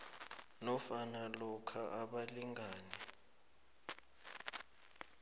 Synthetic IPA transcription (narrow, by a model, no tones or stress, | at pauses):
nɔfanalɔkʰaʔaɓaliŋaːnɛ